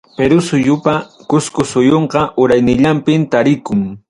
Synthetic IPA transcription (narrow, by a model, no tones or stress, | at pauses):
peɾʊsʊjʊpakʊskʊsʊjoɴqɑʔʊɾajnɪʎampɪmt̪aɾɪkʊŋ